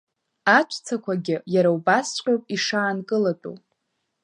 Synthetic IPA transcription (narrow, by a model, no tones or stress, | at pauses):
at͡ʃʷʰʼt͡sʰakʷʰaɡʲɪjaɾawbast͡ʃʷqʲʼopʼiʂaːnkʼɨlatʼṵ